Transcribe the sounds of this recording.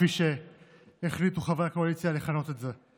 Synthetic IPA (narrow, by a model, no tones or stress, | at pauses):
iʃe̞ː | χlit̪uχavejako̞alit͡sjaleχano̞t̪e̞tze̞